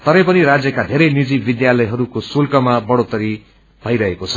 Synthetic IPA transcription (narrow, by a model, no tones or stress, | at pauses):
t̪ʌɾʌ̃pʌniɾad͡zjʌkad̪ʱeɾʌjnid͡zibid̪jalʌjɦʌɾukosulkʌmabʌɽot̪ʌɾi | bʱʌjɾʌɦekot͡sʰʌ̥